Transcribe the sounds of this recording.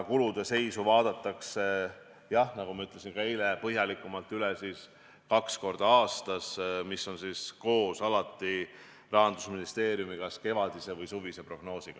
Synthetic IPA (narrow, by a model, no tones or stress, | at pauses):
kulud̪̥e̞se̞jsuvɑːd̪̥ɑt̪ˑːɑkse | jɑhnɑɡumɑyt̪le̞sinkɑejlepɤɦjɑlikːˑumɑlt̪ːˑylɛsiːs | kɑksko̞rd̪̥ɑɑːst̪ɑsmisːo̞nsiːsko̞ːsɑlɑt̪ːˑi | rɑɦɑnd̪usminist̪e̞ːɾijumikɑske̞vɑd̪̥ise̞vɤjsuvise̞pro̞ɡ̥no̞ːsiɡ̥ɑ